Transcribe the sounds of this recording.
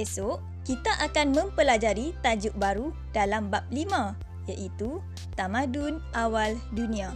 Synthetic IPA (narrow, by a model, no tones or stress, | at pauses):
esoʔ | kit̪aʔakanmə̃mpəlad͡ʒaɾit̪ad͡ʒʊʔ̚baɾu | dalambap̚limã | jaʔit̪u | t̪amãdunʔawaldunĩa